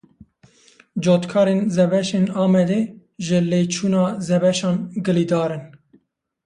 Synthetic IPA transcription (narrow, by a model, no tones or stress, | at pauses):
d͡ʒoːt̪kʰɑːɾenzɛbɛʃeːnɑːmɛd̪eː | ʒɨleːt͡ʃʰuːnɑːzɛbɛʃɑːnɡɨliːd̪ɑːɾɨn